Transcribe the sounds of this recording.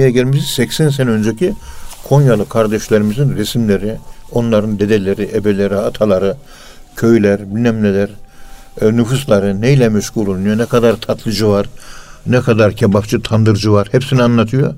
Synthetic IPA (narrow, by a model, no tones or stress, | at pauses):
ijɛɟelʲmisizsɛcsɛns̬enɛønd͡ʒɛcʰikʰo̞njalˠɯkʰaɾd̪ɛʃlʲeɾimizinɾɛsimlʲeɾio̞nlˠaɾɯnd̪ed̪elʲeɾiʔebelʲeɾiat̪ʰalˠaɾɯ | cʰø̞jlʲæɾbilnɛmlʲelʲæɾ | nɯfuslˠaɾɯnejlʲɛmɛʃɡulˠolˠunɯjonɛkʰad̪aɾt̪ʰat̪ʰlˠɯd͡ʒɯvaɾnɛkʰad̪aɾcʰebaft͡ʃɯt̪ʰand̪ɯɾd͡ʒɯvaɾhepsinianlːˠat̪ʰɯjo